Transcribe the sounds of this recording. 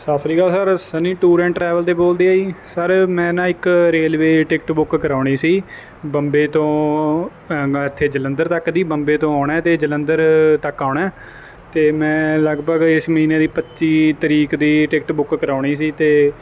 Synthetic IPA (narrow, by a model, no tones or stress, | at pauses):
saːsɾiːɡaːlsəɾsənĩːʈuːɾɛ̃ːɳʈɾɛːʋəlt̪eːboːld̪iːaːiːsəɾmɛ̃ːnãːɪkɾeːlʋeːʈɪkʈbʊkkəɾaːɳiːsiː | bəmbeːt̪õː | ɪt̪ʰːeːd͡ʒələ̃nd̪əɾt̪əkd̪iːbəmbeːt̪õːaːɳɛːt̪eːd͡ʒələnd̪əɾt̪əkːaːɳɛː | t̪eːmɛ̃ːləɡbəɡɪsməɦiːneːd̪iːpətːʃiːt̪əɾiːkd̪iːʈɪkʈbʊkkəɾaːɳiːs̬iːt̪eː